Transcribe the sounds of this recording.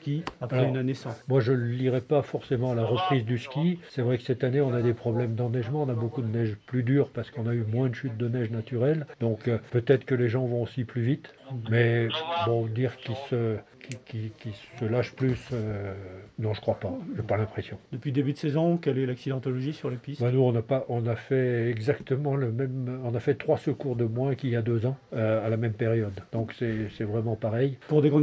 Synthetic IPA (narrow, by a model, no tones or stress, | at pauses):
skʲiapalɛynanesɑ̃mwaʒələliʁɛpafɔʁsemɑ̃alaʁəpχizd̪yskʲisɛvʁɛkə̥sɛt̪aneɔ̃nad̪epχɔblɛmd̪ɑ̃nɛʒmɑ̃ɔ̃nabokud̪ənɛʒplyd̪yːʁpaʁsə̥kɔ̃naymwɛ̃d̪əʃyt̪̚d̪ənɛʒnat̪yʁɛld̪ɔ̃køpøt̪ɛt̪χə̥kəleʒɑ̃vɔ̃osiplyvit̪mɛbɔ̃d̪iʁkʲilsəkʲikʲilkʲilsəlaʃplysø | nɔ̃ʒəkχwapaʒepalɛ̃pχesjɔ̃d̪əpɥid̪ebyd̪əsɛzɔ̃kɛlɛlaksid̪ɑ̃t̪ɔlɔʒisyʁlepisbɛnuɔ̃napaʔɔ̃nafɛɛɡzakt̪əmɑ̃ləmɛmɔ̃nafɛt̪χwasəkuʁd̪əmwɛ̃kiljad̪øzɑ̃øalamɛmpeʁjɔd̪d̪ɔ̃ksɛsɛvʁɛmɑ̃paʁɛjpuʁd̪ekɔ̃